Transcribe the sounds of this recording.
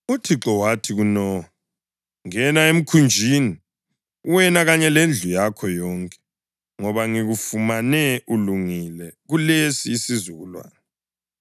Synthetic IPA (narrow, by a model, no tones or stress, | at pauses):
utʰiǁɔwatʰiɣunɔ | ŋɛnaem̩kʰund͡ʒʱini | wɛnaɣaɲɛlend͡ɮʱujakʰɔjɔːŋkʼɛ̥ | ŋɔβaŋiɣufumanɛʔuluŋilɛɣulesiːsizuɣulwa̰ːnɛ